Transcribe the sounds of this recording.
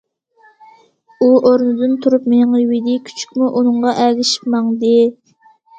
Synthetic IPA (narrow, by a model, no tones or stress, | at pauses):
uʔoɾnɨd̪ɨnt̪ʰuɾupmeŋwid̪ɪkʲʰy̥t͡ʃʰy̥k̚ʲmuʔunɨŋʁɑʔælɪʃi̥pmɑŋd̪ɨ